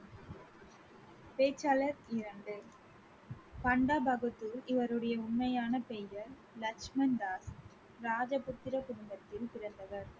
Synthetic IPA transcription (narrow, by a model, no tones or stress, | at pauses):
peːt͡ʃːalɐɾɪɾɐɳɖɯ | pɐɳɖaːbɐɣɯt̪ːɯlɪʋɐɾɯɽɐjɐʊɳmɐjaːnɐpɛjɐɾ | lɐt͡ʃmɐnd̪aːs | ɾaːd͡ʒɐpʊt̪ːɪɾɐkʊɽʊmbɐt̪ːɪlpɪɾɐnd̪ɐʋɐɾ